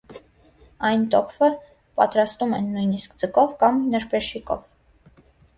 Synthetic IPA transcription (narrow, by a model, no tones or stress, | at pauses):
ɑjnt̪ɔkʰvə | pɑ̰t̪ɾɑst̪umɛ̰nːujniskd͡zəkɔvkɑmnəɾpɛʃikɔ̰v